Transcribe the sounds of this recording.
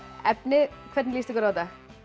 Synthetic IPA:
ɛpnɪkʰv̥ɛɾt̪nliːst̪ɪkɔɾawt̪a

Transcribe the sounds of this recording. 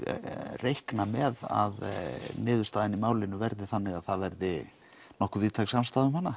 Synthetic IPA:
rejhknamɛða̰ðnɪːðʏ̥st̪aːðɪnimaːwlɪnʏvɛɾðɪθanːɪɣaðθaðvɛɾðɪ | nɔhkʏviːðt̪ʰaksamst̪aːðʏmhanːa

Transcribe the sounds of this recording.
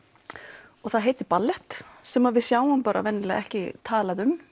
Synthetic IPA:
ɔɣθaðɦeːjt̪ɪpalːɛht̪sɛmaðvɪðsjaːwʏmpaːɾa̰vɛnːɪlɛɛhcɪt̪ʰaːlaðʏm

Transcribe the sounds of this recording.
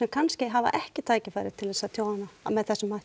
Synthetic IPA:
ɛmkʰanscɪɦava̰ʔɛhcɪt̪ʰaːjcɪfaːjɾɪ̰ð̥t̪ʰɪlθɛsat̪ʰjoːwanːamɛðθɛsːʏmːa

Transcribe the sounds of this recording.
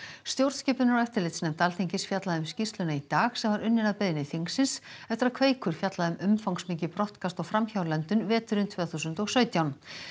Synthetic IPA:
st̪jowɾt̪scɛːpʏnaɾɛft̪ɪɾlejt̪snɛmt̪alt̪ʰiɲcɪsfjat̪laðʏmscist̪lʏnait̪aːxsɛmvaɾʔʏnːɪnaðpeðɪnɪθiŋksɪnsɛft̪ɾaðkʰveːjkʰʏɾ̥fjat̪laðʏmʏmfawŋksmiːcɪpɾɔht̪kʰast̪ɔɣfɾamçawlɛnt̪ʏnvɛːt̪ʏɾʏmt̪ʰvɛːθusʏnt̪ɔɣsœːɥt̪jawn

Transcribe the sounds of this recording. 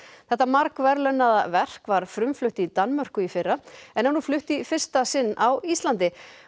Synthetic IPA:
θɛht̪ːamaɾkvɛɾlœnːaðavɛr̥kvaɾ̥fɾʏmflʏht̪it̪anːmœ̥kʏifɪrːaɛnhɛnuflʏht̪ifɪr̥st̪asɪnːawist̪lant̪ɪ

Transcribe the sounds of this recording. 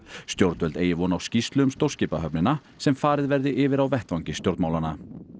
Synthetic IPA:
st̪jowɾt̪vœlt̪eːjɪvɔnawscist̪lʏʏmst̪owr̥scɪːpaɦœpnɪna | sɛmfaːɾɪðvɛɾðɪʔɪvɪɾawvɛht̪vawɲcɪst̪jowɾt̪maːwlana

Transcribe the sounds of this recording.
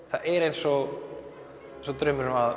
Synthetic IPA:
θaðɛɾejnsɔ | nsɔt̪ɾʏmʏɾmað

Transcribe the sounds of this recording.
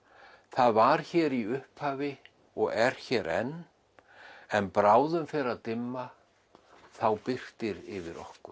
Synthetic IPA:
θaðvaɾ̥çɛːɾiʏhphaːvɪ | ɔɣɛɾ̥çɛːɾʔɛ̰n | ɛnpɾaːwðʏmfɛɾaðt̪ɪmːa | θawpɪr̥t̪ɪɾɪvɪɾɔ̰hkʏ

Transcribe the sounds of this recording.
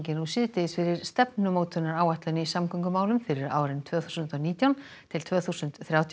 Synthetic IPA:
cɪnusɪðt̪ɪɪsfɪɾɪɾ̥st̪ɛpnʏmoːwt̪ʰʏnaɾaːwvaht̪lʏnɪisamkʰʏŋkʏmaːwlʏmfɪɾɪɾa̰ːwɾɪnt̪ʰvœːθu̥sʏnt̪ɔwniːt̪jawn | t̪ʰɪlt̪ʰvœːθusʏnt̪θɾjaːwt̪ʰ

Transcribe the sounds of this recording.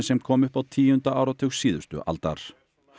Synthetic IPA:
nsɛmkʰɔːmʏhpawt̪ʰiːʏnt̪aaːwɾat̪ʰɪsiːðʏ̥st̪ʏ̰ʔa̰lt̪a̰ɾ̥

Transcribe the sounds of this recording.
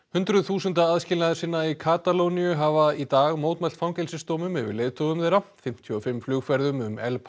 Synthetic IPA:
hʏnt̪ɾʏðθuːsʏnt̪aaðscɪːlnaðɪsɪnːaikʰaːt̪alownjʏɦavait̪aːɣmoːwt̪majl̥t̪fawmcɛlsɪst̪oːmʏmɛvɪ̰ɾlejðt̪ʰoɣʏmðejɾafɪm̥t̪ʰjɔɔfɪmflʏɣfɛɾðʏmʏmɛ̰lp

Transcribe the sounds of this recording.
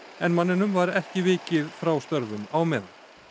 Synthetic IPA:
ɛnmanːɪnʏmvaɾɛhcɪvɪːcɪðfɾawst̪œɾvʏmawmɛːða

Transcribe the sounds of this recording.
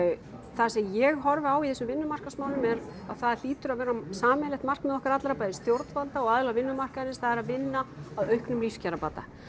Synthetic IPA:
θasɛmjɛɣɦɔɾvɪaːwiθɛsʏmvɪnːʏmar̥kasmaːwnʏmɛɾaðθaðl̥iːt̪ʏɾaðvɛːɾasaːmɪlɛht̪mar̥kmɛðɔhkaɾat̪laɾapaːjðɪst̪jowɾt̪nvalt̪aɔɣaðɪlavɪnːʏmar̥kanɪsθaðɛɾaðvɪnːaaðœɥhknʏmliscaɾapaːt̪a̰

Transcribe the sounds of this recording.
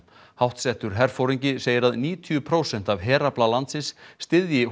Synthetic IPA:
hawht̪sɛht̪ʏɾ̥ɦɛɾ̥fowɾiɲcɪseːjɪɾaðniːt̪ʰyʏpʰɾoːwsɛn̥t̪avɦɛːɾaplalant̪sɪnsːt̪ɪðjɪ

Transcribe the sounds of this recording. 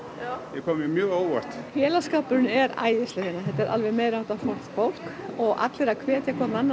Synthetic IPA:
jɛkʰɔːmjmjœːɣoːwvar̥t̪fjɛːlaskaːpʏɾɪnʏɛɾa̰ːjɪst̪ɪɪnːahɛt̪ːɛɾʔa̰lvɛmeːjɾawht̪afowl̥sfowl̥k | ɔɣa̰t̪lɪɾaðkʰvɛːt̪jakʰvaːt̪nanːa

